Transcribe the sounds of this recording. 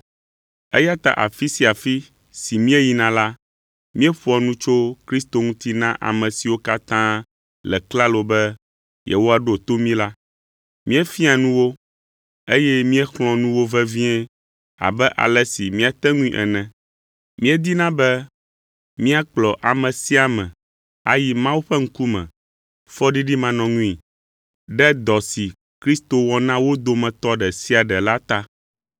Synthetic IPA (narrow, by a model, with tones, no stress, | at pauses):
e˦ja˦t̪a̰˨ʔa̰˨fi˦si˨a˨fi˦ | si˨mĩ˦ɛ˦ji˨nã˨la˦ | mĩ˦ɛ˦ɸu˦ɔ˨nũ˦t͡ʃo˦kɾi˦st̪o˦ŋũ˦t̪i˦nã˦ʔa̰˨mɛ̃˨si˨wo˦ka˦t̪ã˦ | lɛ̰˨kla˦lo˨bɛ˦ | jɛ̰˨wo˦a˨ɖo˦˨t̪o˦mĩ˦la˦ | mĩ˦ɛ˦fi˦a˨nũ˦wo˦ | e˦jɛ˦mĩ˦ɛ˦xlɔ̃˨nũ˦wo˦vɛ˦vĩ˦ɛ˦ | a̰˨bɛ˦ʔa̰˨lɛ˦si˨mĩ˦a˨t̪ɛ˦ŋũ˦ḭ̃˦ʔɛ̰˨nɛ̃˨ | mĩ˦ɛ˦d̪i˦nã˦bɛ˦ | mĩ˦a˦k͡plɔ˨ʔa˨mɛ̃˨si˦a˨mɛ̰̃˨ | a̰˦ji˦mã˦wu˦ɸɛ˦ŋ̩˦ku˦mɛ̰̃˨ | fɔ˦ɖi˦ɖi˦mã˨nɔ̃˨ŋũ˦i˨ | ɖɛ˦d̪ɔ˨si˨ | kɾi˦st̪o˨wɔ˨nã˦wo˦d̪o˦mɛ̃˨t̪ɔ˦ɖɛ˨si˦a˨ɖɛ˨la˦t̪a˦